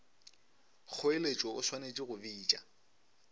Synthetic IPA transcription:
k͡xʰʊelet͡ʃʼɔʊswanet͡ʃʼiɣʊviːt͡ʃʼa̰

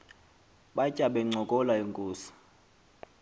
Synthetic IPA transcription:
ɓacʼaɓɛŋ͡ǀɔkʼɔlaeŋkʼuːsḁ

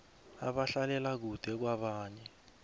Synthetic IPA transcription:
aɓaɬalɛlak̬ud̥ʱɛk̬waɓaːɲɛ

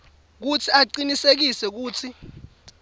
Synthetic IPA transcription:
k̬ut͡sʰiaǃinisek̬isɛk̬uːtʰi

